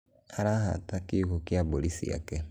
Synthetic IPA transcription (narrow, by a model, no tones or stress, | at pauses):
aɾaɦa̰takikokjabolisḭja̰ke